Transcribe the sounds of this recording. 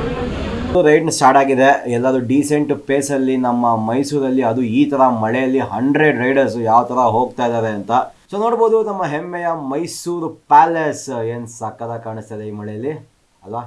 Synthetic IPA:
uɾɐjɖnsʈaːɾʈaːɡid̪e̞ɛlːaːd̪uɖiːseɳʈpeːsɐlːinɐmːɐmɐjsuːɾɐlːiɐd̪uiːt̪ʰɐɾɐmɐɭɛjɐlːiɦɐɳɖɾeɖɾɐjɖɐɾs̬jaːʋɐt̪ʰɐɾɐɦo̞ːɡ̚t̪aːjd̪aːɾeɐnt̪ɐ | soːno̞ːɽbo̞ːd̪unɐmːɐɦemːɛjɐmɐjsuːɾupaːlese̞ːnsaːkːɐd̪ɐkaːɳist̪ɐd̪eiːmɐɭɛjɐlːi | ɐlʋaː

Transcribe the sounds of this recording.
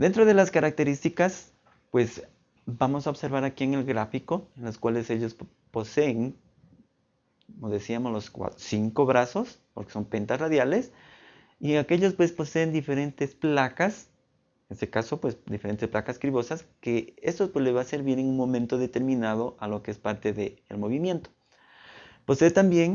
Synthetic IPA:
d̪e̞nt̪ɾoð̞e̞laskaɾak̚t̪e̞ɾist̪ikas | pwe̞z | bamo̞saoβse̞ɾβaɾakie̞ŋe̞lɣɾafiko̞enloskwale̞se̞ʎos | po̞seːŋ | komoðesiamozlo̞skwa̰siŋko̞βɾaso̞spo̞ɾke̥so̞mpent̪asraðjale̞s | ieake̞ʎospwe̞spo̞seːnd̪ife̞ɾe̞nt̪e̞splakas | enest̪ekaso̞pwesd̪ifeent̪e̞splakaskɾiβo̞saske̞est̪ospwelezβase̞ɾβje̞ne̞ŋunmõ̞mẽnt̪o̞ðe̞t̪e̞ɾmĩnað̞o̞ʔalo̞keespaɾt̪e̞ðeːlmo̞β̞imje̞nt̪o̥ | po̞se̞ːt̪ambje̞ŋ

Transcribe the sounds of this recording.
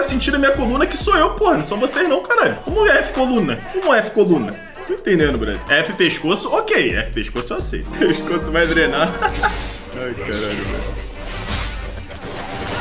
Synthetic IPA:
ɐsĩt͡ʃiɾɐmĩɲɐkolũnɐkɪsoewpohɐnɐ̃w̃sõw̃vosejʒnɐ̃w̃kaɾaʎʊkõmʊɛfɪ̥kolũnɐkõmɐɛfɪ̥kolũnɐ | oẽt̪ẽnd̪ẽnʊbɾa̰ziɛfɪpeʃkosʊokejɛ̰fɪ̥peʃkosʊasḛj̪peʃkosʊvajd̪ɾena | ajkaɾaʎʊ̰va̰j

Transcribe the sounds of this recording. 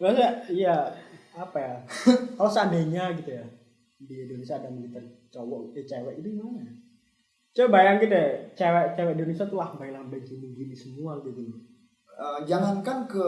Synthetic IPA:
ɾasaijaː | pajakalosəadaɲaɡit̪uja | diindonesiaːdaməlit̪at̚ | t͡ʃɔwɔʔit͡ʃawɛʔit̪uŋmaɲa | t͡ʃabajaŋɡit̪at͡ʃawɛʔt͡ʃawɛʔindonesiat̪ulahbailaŋbəɲt͡ʃimiŋɡinisəmuaɡit̪unu | əd͡ʒaŋankankə

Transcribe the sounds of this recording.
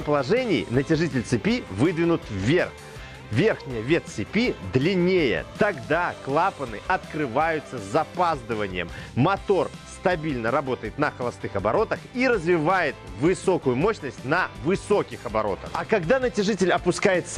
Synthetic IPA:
pəlˠɐʐɛnʲɪ̰jnətʲɪʐɨtʲɪlʲt̪sɨpʲivɨd̪vʲɪnʊt̪vʲerx | vʲe̞rxnʲɪjəvʲe̞t̪sɪpʲid̪lʲɪnʲejə̰t̪ɐɡd̪aklˠapənɨ̰ʔɐt̪kɾɨvajʊt̪səzɐpazd̪ɨvənʲɪ̰jə̰mːɐt̪o̞rst̪ɐbʲilʲnəɾɐbo̞t̪əjɪt̪nəxəlˠɐst̪ɨxɐbɐɾo̞t̪əxiɾəzvʲɪvajɪt̪vɨso̞kʊjʊmoɕnəsʲtʲnəvɨso̞kʲɪxɐbɐɾo̞̰t̪ə̰xɐkɐɡd̪anətʲɪʐɨtʲɪlʲɐpʊskajɪt̪s

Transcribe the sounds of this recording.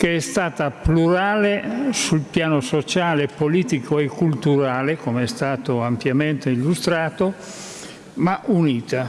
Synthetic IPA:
keɛst̪aːt̪apluɾaːlesulpjaːnosot͡ʃaːlepoliːt̪ikʰoekːult̪uɾaːlekomeɛst̪aːt̪oampjament̪eilːust̪ɾaːt̪o | maʔuniːt̪a

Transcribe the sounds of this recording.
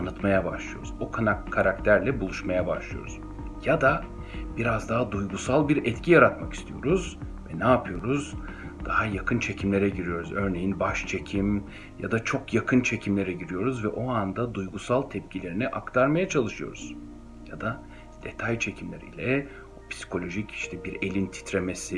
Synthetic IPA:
anɯt̪majabaʃlˠɯjoɾuzokʰanakkʰːaɾakt̪ʰæɾlʲɛbulˠuʃmajabaʃlˠɯjo̰ɾuz̥ | jad̪a | biɾazd̪aɦad̪ujɡusalˠbiɾɛt̪cʰijaɾat̪maki̥st̪ʰijo̞ɾuzvɛnaːpʰɯjo̞ɾuzd̪̥aɦajakʰɯnt͡ʃʰe̞cʰimlʲe̞ɾɛɟiɾijo̞ɾuzø̞ɾne̞jinbaʃt͡ʃʰe̞cʰim | ja̰d̪at͡ʃʰo̞kjakʰɯnt͡ʃʰe̞cʰimlʲe̞ɾɛɟiɾijo̞ɾuzvɛʔo̞and̪ad̪ujɡusalˠt̪ʰɛp̚cʰilʲe̞ɾinɛʔakt̪ʰaɾmajat͡ʃʰalˠɯʃɯjo̞̰ɾuz̥ | jad̪a | d̪̥e̞t̪ʰajt͡ʃʰe̞cʰimlʲeɾḭːlʲɛ | upʰsi̥kʰo̞lʲo̞ʒiciʃt̪ʰɛbiɾe̞lʲint̪ʰi̥t̪ɾemesi

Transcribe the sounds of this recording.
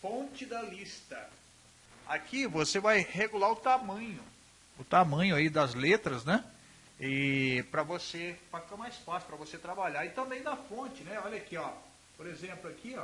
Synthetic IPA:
fõt͡ʃɪd̪ɐlist̪ɐ | a̰kivosevajheɡulaɾʊt̪amɐ̃ɲʊ | ʊt̪amɐ̃ɲʊaid̪ɐzlet̪ɾɐznɛ | ɪpɾɐvosefakɐ̃majsfasʊ̥pɾɐvoset̪ɾabaʎaɪt̪ɐ̃mbẽj̃d̪ɐfõt͡ʃɪnɛɔʎɐkiɔ | poɾezẽmplʊakiɔ

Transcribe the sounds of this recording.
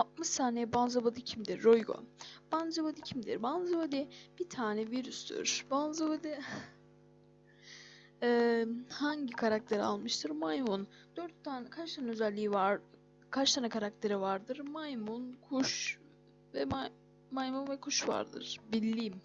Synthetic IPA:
at̪̚mɯʃsaːnɛbanzabad̪ɯcʰimd̪iɾːojɡo̰b̥and͡ʒabad̪ɯcʰimd̪ḭɾbanzabad̪ib̥it̪ʰaːnɛviɾysd̪y̰ɾ̥banzabad̪i | ɛhaɲɟikʰaɾak̚t̪ʰe̞ɾa̰lˠmɯʃt̪ʰɯɾmajmun | d̪øɾt̪ːankʰat͡ʃt̪ʰanø̞zælʲːiːivaɾ | kʰaʃt̪ʰanakʰaɾak̚t̪ʰe̞ɾivaɾd̪ɯɾmajmunkʰuʃ | vɛa | majmunvɛkʰuʃva̰ɾd̪ɯ̰ɾ̥bilʲːiːm

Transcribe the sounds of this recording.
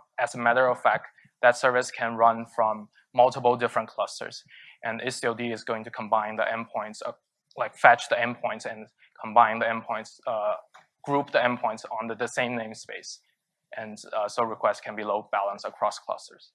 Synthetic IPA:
ɨzəmæɾə˞ʌv̥fæk̚t | ðɨtsɜ˞vɨskʰɨ̃nɹʌ̃nfɹʌ̃mː | ʌlˠtəpl̩ˠdɪfɹə̃nkʰl̥ʌstə̰˞z̥ʔɨ̃nʔɪsiodiɨzɡoʊɪ̃ŋtʰɨkʰə̃mbãɪ̃nðḭʔɛ̃npʰɔ̃ɪ̃ntsə | laɪkfæt͡ʃðiɛ̃npʰɔ̃ɪ̃ntsɨ̃n | kʰə̃mbãɪ̃nðiɛ̃npʰɔ̃ɪ̃ntsʌ | ɡ̥ɹup̚ðiɛ̃npʰɔ̃ɪ̃ntsn̩ðɨdɨsẽɪ̃mnẽɪ̃mspeɪs | ʔɨ̃nsoʊɹɨkʰw̥ɛstkʰɨ̃nbiloʊb̥ælˠə̃nsəkʰɹ̥ɔskʰl̥ʌ̰stə̰˞z̥

